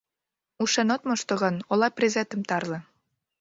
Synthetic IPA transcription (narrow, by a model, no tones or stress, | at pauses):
uʃenot̪moʃt̪ŏɣɑnolɑprʲezet̪ə̆mt̪ɑrlɤ̆